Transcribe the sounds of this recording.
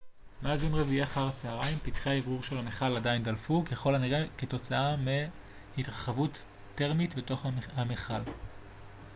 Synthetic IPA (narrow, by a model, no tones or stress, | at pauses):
maːzunʁeviaaχaʁat͡saaʁaimpitχeaevʁuʁʃe̞lameχaladajndalfukeχo̞laniʁeketo̞t͡saame | hitʁaχavutː | e̞ʁmitbeto̞χhameχal